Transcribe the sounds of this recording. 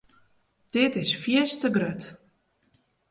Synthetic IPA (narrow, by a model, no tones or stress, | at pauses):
d̥ɪtɪsfiəstəɡrøt